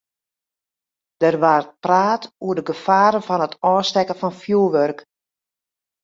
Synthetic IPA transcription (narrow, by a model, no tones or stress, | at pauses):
d̥ərʋaːr̚praːtuədəɡəfaːɾənfɔnətɔːstɛkəfɔnfjuəʋørk